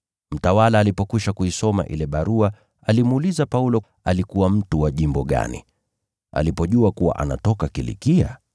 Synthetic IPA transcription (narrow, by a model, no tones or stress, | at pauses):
m̩tawalaːlipɔkiʃakuisɔma̰ʔḭlɛɓaɾua | alimuuːlizapaulɔ | alikuwam̩tuwaʄimbɔɠa̰nḭ | a̰lipɔʄuakuwa̰ʔana̰tɔkakilḭkia̰